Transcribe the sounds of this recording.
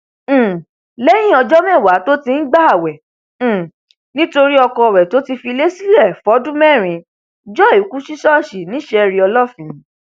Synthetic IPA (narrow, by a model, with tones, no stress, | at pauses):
le˦j̃ĩ˦ɔ˧d͡ʒɔ˦mɛ̃˦˨wa˨˦to˦tĩ˧n̩˦ɡ͡ba˦a˦˨wɛ̃˨ | nĩ˦to˧ɾi˦ɔ˧kɔ˧˨ɾɛ˨to˨˦ti˧fi˧le˦si˦lɛ˦˨fɔ˨˦dũ˦mɛ̃˦˨ɾ̃ĩ˨ | d͡ʒɔ˦˨i˨˦ku˦ʃi˦ʃɔ˦˨ʃi˨nĩ˨˦ʃɛ˧ɾi˧ɔ˧lɔ˦˨fĩ˨˦